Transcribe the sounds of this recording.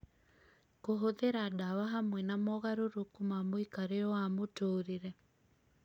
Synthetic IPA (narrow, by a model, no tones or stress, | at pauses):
koɦoðeɾadawaɦamwɛnamɔɣaɾoɾokumamoikaɾeɔwamotoːɾeɾɛ